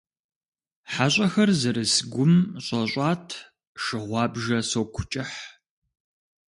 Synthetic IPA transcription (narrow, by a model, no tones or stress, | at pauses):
ħaɕʷʼɐxɐrzɐɾɨsɡʷʊmɕʼɐɕʷʼɑːtʰ | ʃɨʁʷɑːbʒɐsoːwkʷʰʊ̥t͡ʃʼɪħ